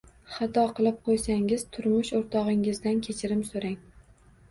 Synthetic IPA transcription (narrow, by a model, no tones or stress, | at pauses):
χɑt̪ʰɒqʰɨlˠɪp̚qʰojsaŋɪz̥t̪ʰʊɾmʊʃoɾt̪ʰɒʁɪŋɪzd̪ankʲʰet͡ʃʰɪɾɪmsoɾaŋ